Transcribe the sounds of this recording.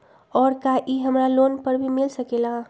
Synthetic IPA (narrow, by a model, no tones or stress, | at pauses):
ɔːɾkaʔiɦəmɾaloːnpəɾbʱimɪlsəkela